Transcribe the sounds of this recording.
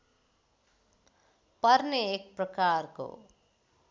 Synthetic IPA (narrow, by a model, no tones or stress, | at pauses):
pʌrneːk̚prʌkarko̰